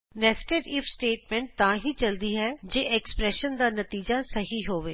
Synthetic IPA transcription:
nɛsʈeɾɪfʰsʈeːʈmẽɳʈ̚t̪ɐãːɦit͡ʃɐld̪iɦɛd͡ʒeːʔekspɾɛːʃənd̪aːnət̪iːd͡ʒasɐɦiɦoːʋeː

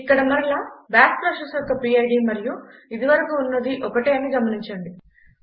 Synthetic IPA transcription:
ikːɐɽɐmɐɾlabaːspɐsɐsɔkːɐpiːɐjɖimɐɾijuid̪iʋɐɾɐkuːnːɐd̪iʔɔkɐʈeːɐniɡɐmɐniɲt͡ʃɐɳɖi

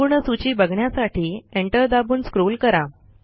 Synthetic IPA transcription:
uɾɳəsut͡ɕiːbəɡʱɳjasaʈʰiːeɳʈəɾd̪abuːnskɾolkəɾa

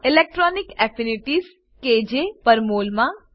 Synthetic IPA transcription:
ɪlek̚ʈɾɔnikɛfiniʈiz | ked͡ʒepəɾmolmã

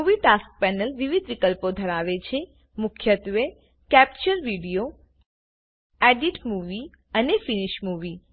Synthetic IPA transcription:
uʋiʈask̚pɛnəlʋiʋid̪ʱʋikəlpod̪ʱəɾaʋet͡ʃʰe | mʊkʰjət̪ʋe | kɛp̚t͡ʃəɾʋiɽijo | ɛɖiʈmuʋi | ənefiniʃmuʋi

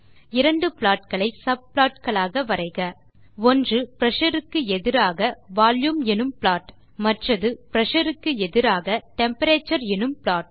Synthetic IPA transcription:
ɪɾɐɳɖɯpɭaːʈ̚kɐɭɐɪsɐb̚plaːʈkɐɭaːɣɐʋɐɾɐɪɣɐ | ɔndrɯpɾɐʂɐɾɯkːɯɛðɪɾaːɣɐʋaːljumɛnɯmpɭaːʈ | mɐʈrɐðɯpɪɾɐʂɐɾɯkːɯɛðɪɾaːɣɐʈɛmpɐɾeːt͡ʃːɐɾɛnɯmpɭaːʈ̚

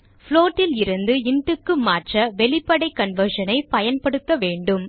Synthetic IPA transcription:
fɭoːʈːɪlɪɾɯnd̪ɯɪɳʈɯkːɯmaːʈrɐʋɛɭɪpːɐɽɐɪkːɐɳʋɐɾʂɐnɐɪpɐjɐnpɐɽɯt̪ːɐʋeːɳɖɯm

